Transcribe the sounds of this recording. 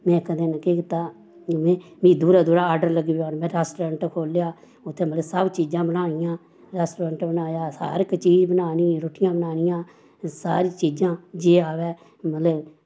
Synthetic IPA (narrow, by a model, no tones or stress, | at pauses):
mɛ̃ːkəd̪enkeːkɪt̪aː | mɛ̃ːmĩːd̪uːɾaːd̪uːɾaːɖəɾləɡiboːnmɛ̃ːɾɛːsʈoɾəːɳʈkʰoːljaː | ʊt̪ʰːẽːmət̪ləsəbt͡ʃiːd͡ʒãːbənaːɳɪjãː | ɾɛːsʈɾəːɳʈbənaːjaːsa̰ːɾɪkːt͡ʃiːd͡ʒbənaːniːɾoːʈɪjãːbənaːnɪjãː | saːɾiːt͡ʃiːd͡ʒãːd͡ʒeːaːʋɛː | mət̪ləb